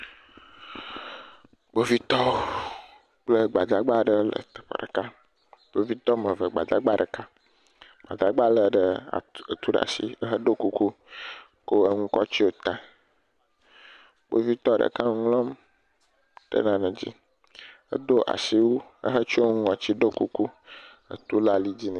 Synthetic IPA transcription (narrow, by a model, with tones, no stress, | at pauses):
ɡ͡bo˨vi˦t̪ɔ˦o˦ | k͡plə˦ɡ͡ba˨d̪a˨ɡ͡ba˦ɖə˨lə̰˨t̪ə̥˨ɸə̰˨ɖə˨ka˦ | b̥o˨vi˦t̪ɔ˦mə̃˨və˨ɡ͡ba̰˨d̪a˦ɡ͡ba˦ɖə˨ka˦ | ɡ͡ba̰˨d̪a˨ɡ͡ba˦lə˨ɖə˨a̰˨ə˨t̪u˦ɖ̰a̰˨sḭ˦ə˦ɦə˦ɖo˦ku˦ku˦ | ko˦ə˦ŋũ˦kɔ˦t͡ɕi˦wo˦t̪a˨ | k͡po̰˦vi˦t̪ɔ˦ɖə̰˨ka˦ŋ˦ŋlɔ̃˦m | ɖə̰˦nã˨nə̃˨d͡ʑḭ˦ | ə̰˦d̪o˦ʔa̰˨si˦wo˦ə̰˦ɦə˦t͡ʃo˦ŋɔ̃˨t͡ɕi˦ɖo˦ku˦ku˦ | ə̰˨t̪u˦la˦li˦d͡ʑi˦n˨